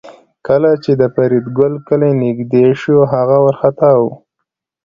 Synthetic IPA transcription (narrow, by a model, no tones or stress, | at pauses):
kəlat͡ʃed̪əfaɾid̪ɡʊlkəlenɪɡd̪eʃoɦaɣawaɾxat̪awu